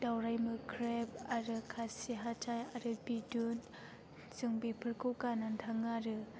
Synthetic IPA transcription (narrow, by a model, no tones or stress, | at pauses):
dawɾajmɯkʰɾɛp̚aɾɯkʰasiɦatʰajaɾɯbidun | sɯŋbepʰəɾkʰokanantʰaŋaɾɯ